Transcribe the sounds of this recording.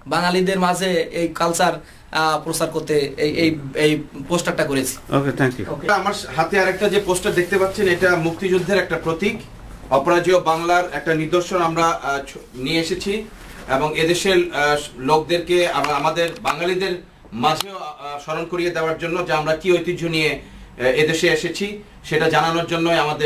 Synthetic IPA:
baŋalid̪eɾmad͡ʑʱeejkalsaɾ | pɾosaɾkoɾt̪eeejejposʈak̚ʈakoɾet͡ɕʰi̥o̰ket̪ʰɛŋkjṵoamaɾɦat̪eaɾek̚ʈad͡ʑeposʈad̪ek̚t̪epat̪ːɕʰeneʈamuk̚t̪id͡ʑud̪ʱːeɾɛk̚ʈapɾot̪ik | ɔpoɾad͡ʑiobaŋlaɾɛk̚ʈaniɾd̪oɾʃonamɾa | nijeeʃet͡ɕʰi | eboŋed̪eʃeɾlok̚d̪eɾkeaamad̪eɾbaŋalid̪eɾ | mad͡ʑʱeoʃɔɾonkoɾied̪eoaɾd͡ʑonːod͡ʑaamɾakiojt̪id͡ʑʱonije | ed̪eʃeeʃet͡ɕʰi | ʃeʈad͡ʑananoɾd͡ʑonːoeamad̪eɾ

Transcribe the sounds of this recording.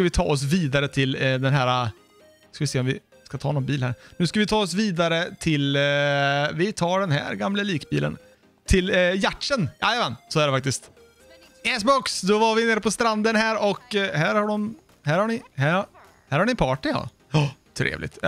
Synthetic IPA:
skavɪt̪ʰɑ̰ːɔs̬viːd̪aɾət̪ʰɪld̪ɛnɦæːɾa | skavɪseːɔmvɪ | skat̪ʰɑ̰ːnɔnbiːlhæ̰ːɾnʉ̟ːskavɪt̪ʰɑːɔs̬viːd̪aɾət̪ʰɪl | vɪt̪ʰɑːɖɛnɦæ̰ːɾɡamləliːkbḭːlə̰n | t̪ʰɪljaʈʂənjɑ̰ːjavɛnsɔæɖɛfak̚t̪ɪst̪ | ɛs̬bɔksd̪ɔvaɾvɪneːɾəpʰɔst̪ɾand̪ənɦæːɾɔkhæːɾhaɖɔm | hæːɾhaɳɪhæɾ | hæːɾhaɳɪnpʰɑːʈɪjɑ̰ | t̪ʰɾḛːvlɪ̰ɡ̚t̪

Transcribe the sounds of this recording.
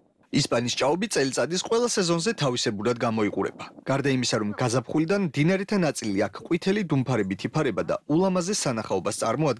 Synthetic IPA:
ispʼanist͡ʃʼaɔbit̪sʼɛlit̪sʼad̪isqʼwɛlˠasɛzɔnzɛt̪ʰavisɛbuɾad̪̚ɡamɔiqʼuɾɛ̰baɡ̥aɾd̪aimisaɾɔmɡazapχulid̪anmd̪inaɾɛt̪ʰanat̪sʼiliakʰqʼwit̪ʰɛlid̪umpʰaɾɛbit̪ʰipʰaɾɛbad̪a̰ulˠamazɛsanaχaɔbast̪sʼa̰ɾmɔad̪̚ɡ

